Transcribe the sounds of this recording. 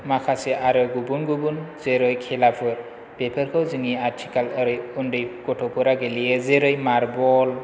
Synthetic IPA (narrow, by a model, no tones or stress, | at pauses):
makʰaseʔaɾɯɡubunɡubunzeɾɯjkʰɛlapʰɯɾ | pepʰɯɾkʰɯwzɯŋiaɾtʰikalɯɾɯjundɯjɡ̥ɔtʰɔpʰɯɾaɡeliezeɾɯjmaɾbɔl